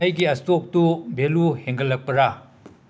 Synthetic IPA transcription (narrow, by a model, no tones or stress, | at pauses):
ɐjɡiɐstok̚tubeluheŋɡɐlːɐk̚pɐɾa